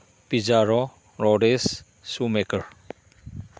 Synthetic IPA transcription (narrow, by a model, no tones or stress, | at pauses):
pizaɾɔ | ɾɔɖesː | umekəɾ